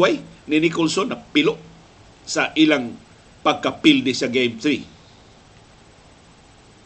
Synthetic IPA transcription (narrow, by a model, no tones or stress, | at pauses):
ajninikʊlsonapilʊʔ | saʔilaŋ | paɡ̚kapild̪ɪsaɡejmt̪ɾi